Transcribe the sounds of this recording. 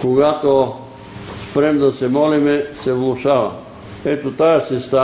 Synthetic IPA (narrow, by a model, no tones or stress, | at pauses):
koɡat̪o | spɾɛmd̪ɐsɛmɔlimɛsɛvlˠʊʃavɐ̰ | ɛt̪ot̪ajasɛst̪a